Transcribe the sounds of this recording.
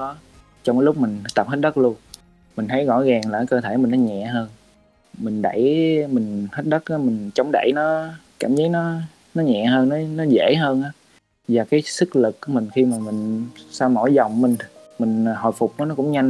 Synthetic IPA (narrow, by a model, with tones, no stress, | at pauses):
ɗɔ˨˦ | t͡ɕɔ˧wŋ͡mkːaː˨˦lʊ˦˥k͡p̚mï˨˩ŋ̟˨˦t̪ə˨˩p̚he˦˥t̚ɗə˦˥k̚lu˧ən | mi˨˩ŋ̟t̪ʰə˨˦jɣɔ̰˧˥˨jɣaː˨˩ŋlaː˨˩˨jkəː˧t̪ʰe˧˩mï˨˩ŋ̟nɔ˨˦ɲɛ̰˧˨ɦəː˧n | mï˨˩ŋ̟ɗə̰˧˩jmï˨˩ŋ̟hə˦˥t̚ɗə˦˥t̚ʔaː˨˦mi˨˩ŋ̟t͡ɕɔ˨˦wŋ͡mɗə̰˧˩˨jnɔ˨˦kaː˧˩mzə˨˦jnɔ˨˦ | nɔ˨˦ɲɛ̰˧˨ɦəː˧nː˨˦nɔ˨˦zḛ˧˩ɦəː˧nʔaː˨˦ | vaː˨˩kaː˨˦jsɨ˦˥k̚lɨ˨˩k̚ku˨˩˦mï˨˩ŋ̟xi˧maː˨˩mï˨˩ŋ̟saː˧wmo̰˧˩jzɔ˨˩wŋ͡mmï˨˩ŋ̟mï˨˩ŋ̟hɔ̰˨˩jfʊ˨˩k͡p̚nɔ˨˦nɔ˨˦kʊ̰˧˥ŋ͡mɲa˧ŋ